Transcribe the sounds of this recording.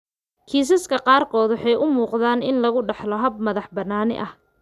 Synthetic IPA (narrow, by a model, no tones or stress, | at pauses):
kʰiːs̬ɐskʰɐqɑːrkʰɔːðʊħɛjʔʊmuːqðaːnɪnlɐɣʊɖɑħlɔɦɐb̚mɐðɑħbɐnaːnɪ̰ʔɐh